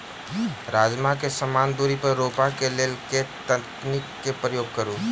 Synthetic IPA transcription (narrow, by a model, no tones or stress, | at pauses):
ɾaːd͡ʒmakesəmaːnd̪uɾipəɾːopakeleːlket̪əknɪkːepɾəjoːɡ̚kəɾu